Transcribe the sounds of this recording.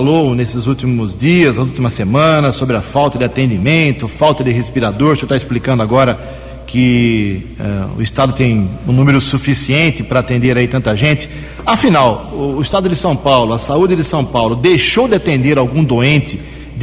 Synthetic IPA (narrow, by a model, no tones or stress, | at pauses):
lownesɪzuwt̪imʊzd͡ʒiɐznɐzuwt̪imɐsemɐ̃nɐsobɾɪɐfawt̪ɐd̪ɪat̪ẽnd͡ʒimẽnt̪ʊfawt̪ɐd̪ɪɦespiɾad̪oɾsewt̪aɪsplikɐ̃nd̪ʊaɡɔɾɐ | kɪ | ɛ̰ʊ̰ɪst̪ad̪ʊt̪ẽj̃ũnũmeɾʊsufisiẽnt̪ɪpɾɐːt̪ẽnd̪eɾait̪ɐ̃nt̪ɐʒẽnt͡ʃ̪ɪ̥ | afinawʊʊɪst̪ad̪ʊd̪ɪsɐ̃w̃pawlʊɐsaud͡ʒɪd̪ɪsɐ̃w̃pawlʊd̪ejʃowd̪ɪat̪ẽnd̪eɾawɡũd̪oẽnt͡ʃ̪ɪ | d̪